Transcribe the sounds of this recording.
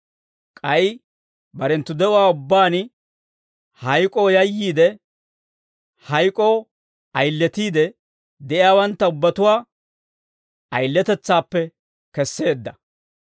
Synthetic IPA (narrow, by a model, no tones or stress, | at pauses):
kʼɐj | bɐɾɛnt̪ːʊd̪ɛʔʊwaːʊbːaːn | hɐjkʼo̞ːjɐjːiːd̪ɛ | hɐjkʼoː | ɐjlːɛt̪iːd̪ɛ | d̪ɛʔɪjaːwɐnt̪ːɐʊbːɐt̪ʊwaː | ɐjlːɛt̪ɛt͡sːaːpːɛ | kɛsːe̞ːd̪ːɐ